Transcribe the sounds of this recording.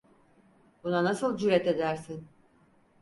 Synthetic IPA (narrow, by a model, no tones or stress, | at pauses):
bunanasɯlˠd͡ʒyɾɛt̪e̞d̪æɾsin